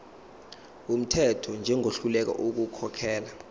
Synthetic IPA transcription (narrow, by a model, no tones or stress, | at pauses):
um̩tʰɛtʰɔnd͡ʒʱɛŋʱoɬulɛk̬a̰ʔuk̬ukʰɔkʰɛːla